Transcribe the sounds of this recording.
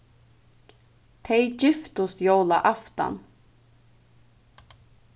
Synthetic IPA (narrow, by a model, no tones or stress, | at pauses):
t̪ʰejcɪft̪ʊst̪jowlaʔaft̪a̰n